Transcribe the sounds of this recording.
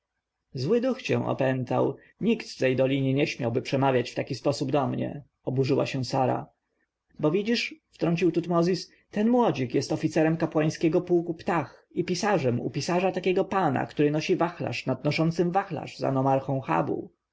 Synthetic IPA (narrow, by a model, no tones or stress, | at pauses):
zwɘd̪uxt͡ɕɛ̰̃w̃ʔɔ̰pɛnt̪a̰w | ɲikt̪t̪ɛjd̪ɔlʲiɲeɲɛɕmʲjawbɘpʂɛmavʲjat͡ɕft̪akʲispɔsubd̪ɔmɲɛ̰ | ɔbuʐɘwa̰ɕɛw̃saɾa̰ | bɔvʲid͡ʑiʂft̪ɾɔɲʲt͡ɕiwt̪ut̪mɔzʲis | t̪ɛnmwɔd͡ʑikjɛst̪ɔfʲit̪sɛɾɛmkapwaj̃skʲɛɡɔpuːkupt̪axipʲisaʐɛmṵpʲisaʐat̪akʲɛɡɔpana̰kt̪uɾɘnɔɕivaxla̰ʂnad̪̚nɔʂɔnt̪sɘmvaxla̰ʂza̰nɔmaɾxɔ̃w̃xa̰bṵ